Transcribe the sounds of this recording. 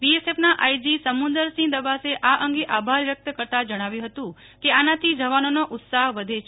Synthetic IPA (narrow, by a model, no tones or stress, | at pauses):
ʋiesepnaʔajd͡ʒisəmund̪əɾsĩd̪əbaseʔaʔəŋɡeʔabʱaɾʋjək̚t̪əkəɾt̪ad͡ʒəɽ̃aʋjũɦət̪ũ | keanat̪ʰid͡ʒəʋanonoʔʊt̪saɦʋəd̪ʱet͡ʃʰ